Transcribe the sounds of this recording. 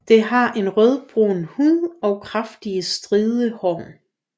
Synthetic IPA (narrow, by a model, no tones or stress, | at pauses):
d̥e̝ɦɑ̈ʔe̝nʁœðˠb̥ʁonhuðˠɒ̽ʊkʰʁafd̥iəsd̥ʁiːðˠəhɒ̰ʊn